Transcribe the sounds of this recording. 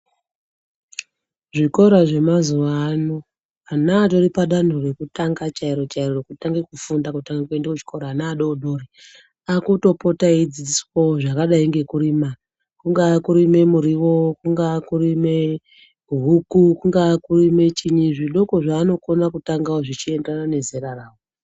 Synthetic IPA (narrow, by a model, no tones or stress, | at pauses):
ʐiko̞ɾaʐe̞mazuʋaːno | anaːɗo̞ɾipaɗan̤ure̞kutaŋɡat͡ʃaiɾo̞t͡ʃaiɾoekutaŋɡekufundakutaŋɡakue̞ndakut͡ʃi̥ko̞ɾaːnaːɗoɗo̞ɾi | akuto̞po̞taid͡zid͡ziswoʐakaɗaiŋɡe̞kuɾima | kuŋɡakuɾime̞muɾiwo̞kuŋɡakurime̞ | uɦukukuŋɡakurime̞t͡ʃiɲiʐiɗo̞ko̞ʐaːno̞ko̞nakutaŋɡaoʐit͡ʃie̞ndanane̞zeɾaraːwo